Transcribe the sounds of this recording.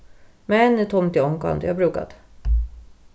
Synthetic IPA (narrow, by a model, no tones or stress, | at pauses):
mɛnːt̪ʰɔmt̪ɪɔŋka̰nd̪əjabɾʉ̟ːka̰d̪̥